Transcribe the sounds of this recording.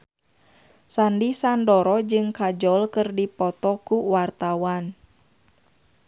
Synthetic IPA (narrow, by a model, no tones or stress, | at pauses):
sandisandɔɾɔd͡ʒɨŋkad͡ʒɔlkɨrdipɔt̪ɔkuwart̪awan